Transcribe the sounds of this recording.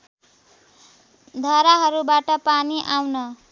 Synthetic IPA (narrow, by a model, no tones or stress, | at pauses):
d̪ʱʌɾaɦʌɾubaʈʌpaniʔawnʌ